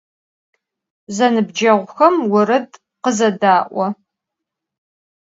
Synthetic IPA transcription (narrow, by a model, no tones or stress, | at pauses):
zɐnɨbd͡ʒɐʁʷxɐmwʊɾɨd | qəzɐdaːʔʷɔ